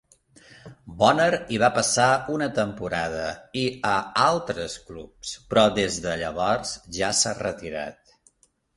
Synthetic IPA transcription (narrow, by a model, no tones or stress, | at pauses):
bɔnəɾiβ̞apəsaunət̪əmpuɾað̞əiəalˠt̪ɾəsklupspɾɔdezðəʎəβ̞ɔrz̥ʒasarət̪iɾa̰t̪